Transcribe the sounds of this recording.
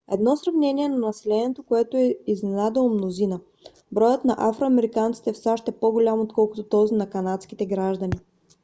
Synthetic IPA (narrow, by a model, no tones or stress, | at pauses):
ɛd̪nɔsɾɐvnɛniɛnɐnɐsɛlɛniɛt̪okoɛt̪oɛiznɛnad̪ɛlˠmnozinə | bɾɔjət̪nɐʔafɾoɐmɛɾikant̪si̥t̪ɛfsaʃt̪ɛpoɡolʲamot̪kɔlˠkʊt̪ot̪ɔzinɐkɐnat̪skit̪ɛɡɾaʒd̪əni